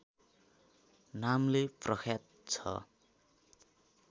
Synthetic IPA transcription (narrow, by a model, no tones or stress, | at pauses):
namleprʌkʰjat̪̚ | t͡sʰʌ̰